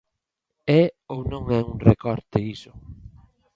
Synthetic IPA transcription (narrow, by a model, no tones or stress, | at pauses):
ɛownõŋɛuŋrekɔɾt̪eisʊ